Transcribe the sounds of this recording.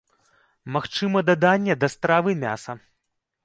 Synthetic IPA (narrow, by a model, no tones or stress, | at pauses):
maxt͡ʂɨmɐd̪ad̪anʲːɛd̪ɐst̪ɾavɨmʲa̰sɐ